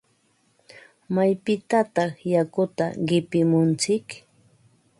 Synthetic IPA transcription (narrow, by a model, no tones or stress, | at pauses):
majpɪt̪at̪ɑχjakʊt̪a̰ɢɪpɪmʊnt͡sɪk